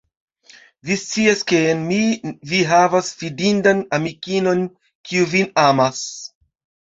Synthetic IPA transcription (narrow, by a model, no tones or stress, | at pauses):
vist͡siaskenmiviɦavasfidindanamikino̞n | kiuvinamas